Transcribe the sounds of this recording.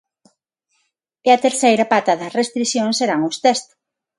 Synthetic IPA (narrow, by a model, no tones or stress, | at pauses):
eɐt̪eɾθejɾɐpat̪ɐðɐsrest̪ɾiθjõŋseɾaŋʊst̪ɛst̪ʊ̥